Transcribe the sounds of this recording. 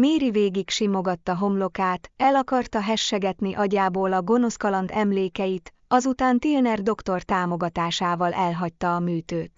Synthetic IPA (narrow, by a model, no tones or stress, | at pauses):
meːɾiveːɡikʃimo̞ɡɒt̪ːɒɦo̞mlo̞kaːt̪ɛlɒkɒrt̪ɒɦɛʃːɛɡɛt̪niʔɒɟaːboːlɒɡo̞no̞skɒlɒnt̪ɛmleːkɛjit̪ | ɒzut̪aːnt̪ilnɛrd̪o̞kt̪o̞rt̪aːmo̞ɡɒt̪aːʃaːvɒlʔɛlɦɒc̚t̪ːɒːmyːt̪øːt̪